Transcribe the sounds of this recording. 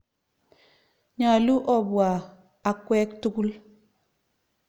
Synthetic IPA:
ɲa˨lu˦ʔɔ˨bwa˨ | a˨kwɛ˦ktu˦ku˦l

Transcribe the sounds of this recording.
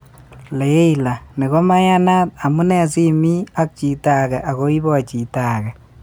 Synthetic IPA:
le˨˦ila˨ni˨ko˦ma˦ɲa˦na˦t̚a˨mu˦nɛ˨s̬i˦mi˦a˦k̚t͡ʃi˨ta˨kɛ˨ʔa˨ko˦i˦bɔ˦t͡ʃi˨taː˨kɛ˨

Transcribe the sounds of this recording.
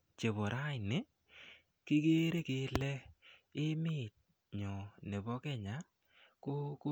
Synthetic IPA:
t͡ʃe˨βo˨ɾa˦ɪ˨nɪ˦ | kɪ˦ɡeː˦ɾe˦kɪ˨˦lɛ˦ | ɪ˦mɪ˦˨t̚ | ɲɔ˨ne˨bɔ˦kɛ˦ɲa˨˦ | ko˦ko˦

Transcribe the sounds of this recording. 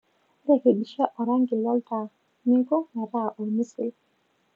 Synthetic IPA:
ɾɛke˨ɗi˨ʃa˦ʔa˨ɾaŋɡi˨la˦lta˨ | mi˦ŋkɔ˦na˨ɾa˦ʔɔ˨misi˨l

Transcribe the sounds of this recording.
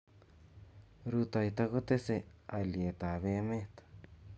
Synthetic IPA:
ɾu˧t̪a˧i˧t̪a˧ɣo˦t̪e˦se˧a˨le˨t̪a˨βe˧˦mẽ˦t̪ḁ˨

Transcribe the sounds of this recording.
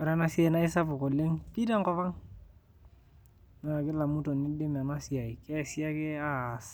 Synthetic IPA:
a˨ɾa˦na˦si˦a˨na˦ɪ˦sa˦pʊ˨ko˨le˦ŋki˦da˦ŋkɔ˦va˦ŋ | na˨kɪ˦la˨mu˦tɔ˨nɪ˦dɪ˦ma˨na˦si˨a˨i˨kɛ˦si˦a˦kɪ˦a˦s

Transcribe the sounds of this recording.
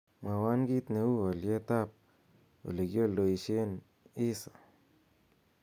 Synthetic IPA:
ma˨wa˦nɡi˦t̪ne˨wu˦a˨lje˦t̪a˦p̚ | o̰˨le˨ɡjo˦ldo˨i˨ʃe˦n | i˦sa˨

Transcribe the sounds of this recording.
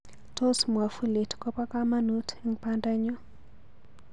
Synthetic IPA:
tʰo˦sm˨a˨fu˦le˨tʰkʼɔ˦pʼa˦kʼama˦notʰeŋpʰantʼa˦ɲɔ˦

